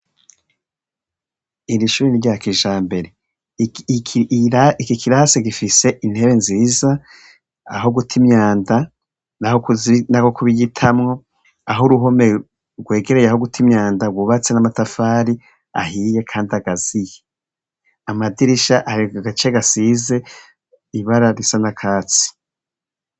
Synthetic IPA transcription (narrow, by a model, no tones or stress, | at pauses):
iɾiʃuːɾeniɾjakiʒaːmbe̞ɾe̞ | aikikʰiɾaseɡifise̞ʔin̥he̞βenziːza | aɦo̞ɡutʰimɲaːnda | nahonakokuβiɡitʰamŋo̞ | aɦoɾuɦo̞me | ɡwe̞ːɡe̞ɾe̞jahoɡutʰimɲaːndaɡwuβat͡se̞namatafaːɾi | a̰hije̞kʰaːndiaɡaz̥ije | amadiɾiʃaʔaɾiaɡat͡ʃeɡasize̞ | iβaɾaɾisanakʰaːt͡si̥